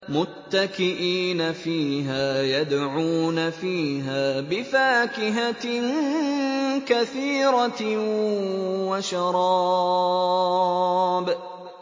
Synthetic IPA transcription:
mʊt̪ːakɪʔiːnafiːɦaːjad̪ʕuːnafiːɦaːbɪfaːkɪɦan | kaθiːɾa | waʃɑɾˤɑ | b

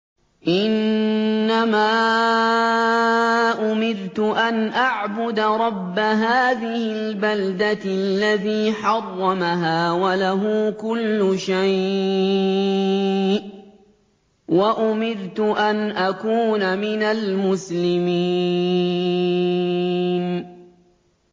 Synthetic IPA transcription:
ʔɪnː | amaː | ʔʊmɪɾt̪ʊʔanʔaʕbʊd̪aɾˤɑbːaɦaːðɪhɪlbald̪at̪lːaðiːħɑrˤːɑmaɦaːwalaɦʊkʊlːʊʃaj | waʔʊmɪɾt̪ʊʔanʔakuːnamɪnalmʊslɪmiː | n

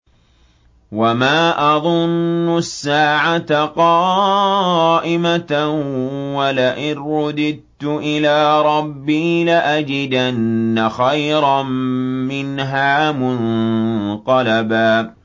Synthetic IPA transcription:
wamaːʔɑðˤʊnːʊsːaːʕat̪aqɑː | ʔɪma | walaʔɪnɾʊd̪ɪd̪̚t̪ʊʔɪlaːɾˤɑbːiːlaʔad͡ʒɪd̪anːaxajɾˤɑmmɪnɦaːmʊn | t̪ɑlabaː

